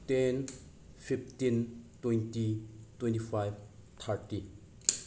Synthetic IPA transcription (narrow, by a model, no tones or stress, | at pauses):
ten | pʰiptintwejntitwɛ̃ntipʰajbt̪ʰaɾti